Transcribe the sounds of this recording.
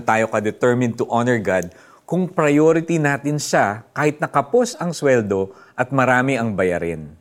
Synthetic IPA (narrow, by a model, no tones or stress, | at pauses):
t̪aːjo̞kɐd̪ɛt̪ɛɹmɪ̃nt̪ʊʔanɛɹɡad̪̚ | kʊŋpɾɐjoɾɪt̪inaːt̪ɪnʃakaːhɪt̪̚nɐkɐpo̞sɐŋswɛld̪o̞ | ʔɐt̪̚mɐɾaːmɪʔɐŋbɐjɐɾɪ̰n